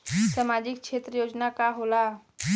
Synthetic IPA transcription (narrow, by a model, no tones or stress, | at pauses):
səmad͡ʒik̚kʃʰet̪ɾəjod͡ʒnakaɦola